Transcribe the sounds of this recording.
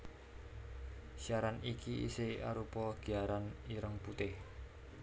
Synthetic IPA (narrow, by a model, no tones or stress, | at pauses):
siaɾanikiḭsea̰ɾupɔɡ̥iaɾaniɾəŋput̪ɪh